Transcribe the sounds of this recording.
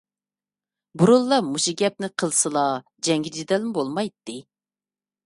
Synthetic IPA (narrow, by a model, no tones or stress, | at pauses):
buɾulˠːɑmuʃiɡʲɛp̚nɪqʰəlˠsɨlˠɑ | d͡ʒɛŋɡʲɪd͡ʒid̪ɛlmɪbolˠmɑjt̪ːɨ